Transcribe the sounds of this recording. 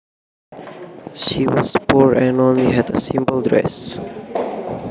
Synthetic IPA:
ʃiwɔzpuɹɛ̃nõnliɦɛdə̰sĩmbəldɹɛ̰s

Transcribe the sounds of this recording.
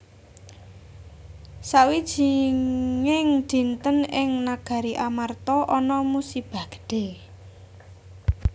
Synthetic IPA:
sawid̥ʒ̥i̤ | ŋɪŋd̪̥i̤nt̪ənɪŋnaɡ̥a̤ɾiʔamart̪ɔʔɔnɔmusib̥a̤ɡ̥ə̥ɖ̥e

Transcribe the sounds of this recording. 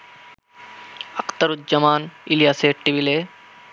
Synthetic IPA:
ɐkt̪ɐɾut̪̚d͡ʒɐmaːnilijaːseːʈʈːibileː

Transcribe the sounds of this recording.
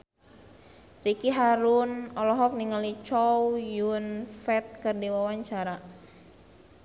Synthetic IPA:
rikiɦaɾunɔlɔɦɔk̚niŋalit͡ʃɔwjunfɛt̪̚kərdiwawaɲt͡ʃaɾa

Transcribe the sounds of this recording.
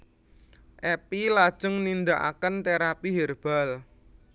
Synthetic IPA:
ʔɛpilad̥ʒ̥ʊ̤ŋnind̪aʔa̰kənt̪eɾapiɦerb̥a̤l

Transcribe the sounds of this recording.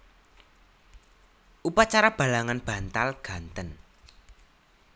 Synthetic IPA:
ʔupat͡ʃaɾab̥a̤laŋanb̥a̤nt̪alɡ̥a̤nt̪ən

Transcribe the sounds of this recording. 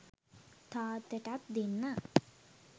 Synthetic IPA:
t̪aːt̪ːeʈat̪d̪inːa

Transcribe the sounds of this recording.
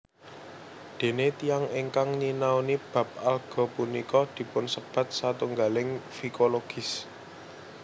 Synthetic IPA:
d̪̥e̤net̪ijaŋeŋkaŋɲinawnib̥ä̤p̚alɡ̥ɔ̤punikɔd̪̥i̤pʊnsəb̥ä̤t̪̚sat̪uŋɡalɪŋfikoloɡ̥ɪ̤s

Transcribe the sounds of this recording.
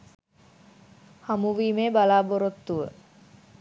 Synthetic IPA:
hamuʋiːmeːbalaːboɾot̪ːuʋə

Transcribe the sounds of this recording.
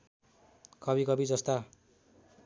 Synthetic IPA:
kʌbikʌbid͡zʌst̪a

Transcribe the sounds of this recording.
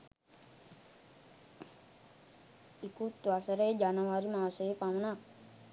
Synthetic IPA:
ikut̪ːʋasəɾəjd͡ʒanəʋaɾimaːsəjepamənak̚

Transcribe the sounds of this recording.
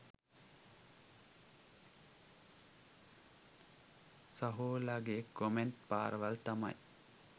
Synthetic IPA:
sɐɦoːlaɡeːkomenʈpa̰ːɾəʋalt̪ama̰j

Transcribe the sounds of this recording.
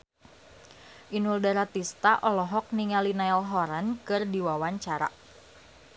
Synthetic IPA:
ʔinuldaɾat̪ist̪aʔɔlɔɦɔk̚niŋalinaɛlɦɔɾankɨrdiwawaɲt͡ʃaɾa̰

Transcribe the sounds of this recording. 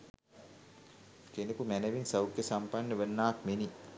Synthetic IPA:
kenikumænəʋiŋsawkjəsampanːəʋənːaːkmeni

